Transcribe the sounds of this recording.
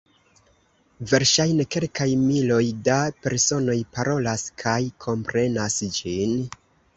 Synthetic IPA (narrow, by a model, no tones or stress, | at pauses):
ve̞ɾʃajne̞ke̞lkajmilo̞jdape̞ɾso̞no̞jpaɾʔo̞laskʰajkʰo̞mpɾe̞nasd͡ʒin